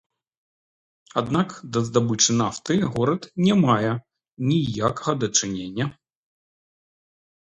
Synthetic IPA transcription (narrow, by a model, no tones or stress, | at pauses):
ad̪nakd̪ɐzd̪abɨt͡ʂɨnaft̪ɨɣɔɾɐt̪nʲɛmajɛ | nʲijakɐ̥ɣɐd̪ɐt͡ʂɨnʲenʲːɐ